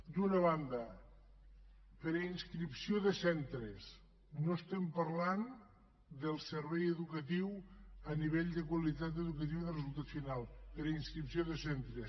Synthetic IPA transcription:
d̪unəβand̪ə | pəɾəinskɾipsioðəsɛnt̪ɾes | nost̪ɛmpɐɾlan | d̪əlˠsəɾβɛjəðukət̪iwəniβ̞eʎd̪əkwəlit̪at̪əðukət̪iwðərezulˠt̪at̪finalˠpəɾəinskɾipsioðəsɛnt̪ɾes

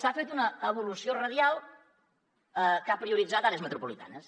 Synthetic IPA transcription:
safet̪unəːβ̞ulusiorəðjalˠ | kapɾiuɾid͡zat̪alezmət̪ɾupulit̪a̰nəs

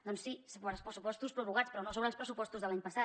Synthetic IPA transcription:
d̪ɔnsːisoβəlˠspɾəsupɔst̪uspɾuβuɣat͡spɾɔnosoβɾəlˠspɾəsupɔst̪uzðəlaɲpəsa

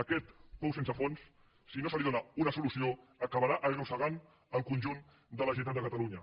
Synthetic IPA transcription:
əkɛt̪pɔwsensəfons | sinosəliðonaunəsulusioəkəβəɾaʔəɣnusəɣan | əŋkunʲʒun | d̪ələʒint̪at̪d̪əkət̪aluɲə

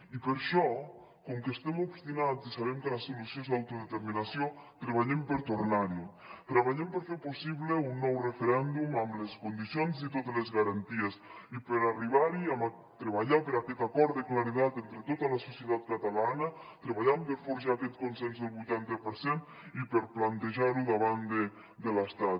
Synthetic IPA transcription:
ipəɾʃɔ | koŋkest̪emobst̪inat͡sisaβɛmkəlesːulusjonzðawt̪uðet̪eɾminasjot̪ɾeβaʎempəɾt̪oɾnaɾi | t̪ɾaβaʎempəɾfeɾposiβleunːɔwrefeɾɛnd̪umamleskund̪isjonzit̪ot̪elezɣaɾant̪iesipəɾariβaɾiam | t̪ɾeβ̞aʎapəɾakɛt̪akɔɾt̪eklaɾiðat̪ent̪ɾet̪ot̪alasusjet̪at̪̚kat̪alanət̪ɾeβaʎampəɾfoɾʒakɛt̪konsɛnzðelˠβujt̪ant̪əpəɾsen | ipəɾplant̪eʒaɾuðaβand̪e | d̪ələst̪at̪̚

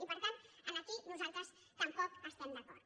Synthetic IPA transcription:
ipəɾt̪anənəkinuzalˠt̪ɾəs | k̪əmpɔkəst̪ɛmd̪əkɔr

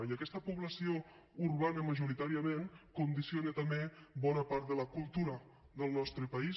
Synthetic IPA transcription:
jiəkɛst̪əpuβləsio | urβanəməʒuɾit̪aɾiəmenkund̪isionət̪əmbebɔnəpaɾt̪̚ðələkulˠt̪uɾə | ðəlˠnɔst̪ɾəpəi

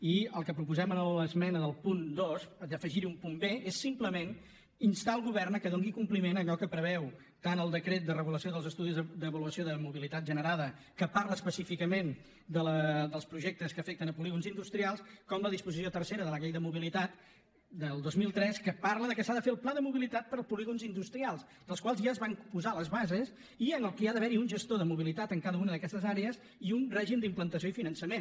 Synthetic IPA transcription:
iəlˠkəpɾupuzɛmənələzmɛnəðəlˠpund̪osəd̪əfəʒiɾiumpumbeesːimpləmen | inst̪alˠɣuβɛrnəkəðoŋɡikumplimenəʎɔkəpɾəβ̞ɛw | t̪anəlˠd̪əkɾet̪̚d̪ərəɣuləsioðəlˠzəst̪uðizd̪əβəluəsioðəmuβilit̪at̪ʒənəɾaðə | kəpaɾləspəsifikəmen | d̪ələd̪əlˠspɾuʒek̚t̪əskəfɛkt̪ənəpuliɣunzind̪ust̪ɾialˠskɔmləðispuzisjot̪ərseɾəðələɣejðəmuβilit̪at̪ | d̪əlˠd̪ozmilˠt̪ɾɛskəpaɾləðəkəsaðəfeəlˠplaðəmuβilit̪at̪̚pəɾˠpuliɣunzind̪ust̪ɾialˠs | d̪əlˠskwalˠzʒaəzβampuzaləzβazes | iənəlˠkɛaðəβɛɾiunʒəst̪oðəmuβ̞ilit̪at̪əŋkaðəunəðəkɛst̪əzaɾeəz | iunrɛʒimd̪implənt̪əs̬joifinənsəmen

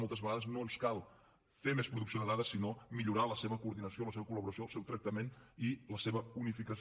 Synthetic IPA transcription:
molˠt̪əzβəɣaðəznonskalˠ | femespɾuðuksionəðaðəsinomiʎuɾaləseβəkuːɾðinəsioləseβəkuləβuɾəsioəlˠsewt̪ɾək̚t̪əmeniləseβəunifikəs

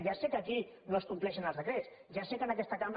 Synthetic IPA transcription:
ʒasekəkinoəskumplɛʃənəlzðəkɾes | ʒasekənəkɛst̪əkamb

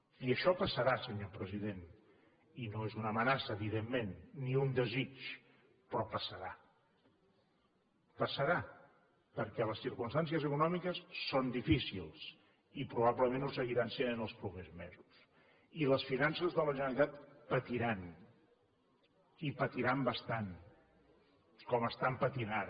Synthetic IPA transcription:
iəʃɔpəsəɾasəɲopɾəziðen | inoezunəmənasəːβiðemːenːiund̪əzit͡ʃ | pɾɔpəsəɾa | pəsəɾa | pəɾkɛləsiɾkunst̪ans̬iəzəkunɔmikəsːond̪ifisḭlˠs | ipɾuβ̞abləmenus̬əɣiɾansenənəlˠspɾupezmezus | iləsfinansəzðələʒənəɾit̪at̪pət̪iɾan | ipət̪iɾambəst̪an | kɔməst̪ampət̪inað

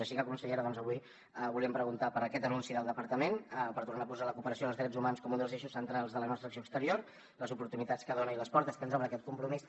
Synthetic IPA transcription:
əʃikəkunsəʎeɾəðɔnzəβuj | βuliəmpɾəɣunt̪apəɾəkɛt̪ənunsiðəlˠd̪əpəɾt̪əmenpəɾt̪urnaːpuzaləkupəɾəsioðəlˠzðɾɛd͡zumanskɔmund̪əlˠzeʃusənt̪ɾalˠzðələnɔst̪ɾəksioəkst̪əɾioɾ | ləzupuɾt̪unit̪at͡sskəðonəiləspɔɾt̪əskənzɔβɾəːkɛt̪̚kumpɾumis

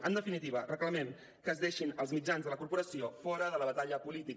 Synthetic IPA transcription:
ənd̪əfinit̪iβərəkləmɛm | kəːzðeʃinəlˠzmid͡ʒanzðələkuɾpuɾəsiofɔɾəðələβət̪aʎəpulit̪ik

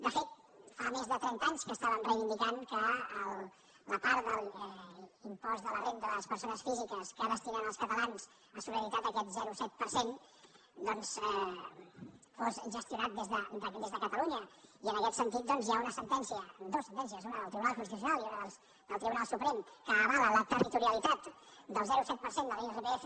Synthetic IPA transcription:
d̪əfet̪ | famezðət̪ɾɛnt̪aɲskəːst̪aβənrəjβind̪ikaŋkəːl | ləpaɾt̪d̪əlˠ | impɔzðələrend̪ələspəɾsonəsfizikəskəaðəst̪inənəlˠskət̪əlans | asuləɾit̪at̪əkɛt̪zɛɾusɛt̪̚pəɾsen | d̪ɔnsɛ | fozʒəst̪iunat̪̚d̪ezðəd̪əd̪ezðəkət̪əluɲəiənəkɛt̪sənt̪it̪̚d̪ɔnzjaunəsənt̪ɛnsiəd̪osənt̪ɛnsiəzunəðəlt̪ɾiβunalˠʒunst̪is̬unalˠiunəðəlˠs | d̪əlˠt̪ɾiβunalˠsupɾɛmkəːβalələt̪ərit̪uɾiəlit̪at̪ | d̪əlˠzɛɾusɛt̪̚pəɾsend̪əleerepeefə

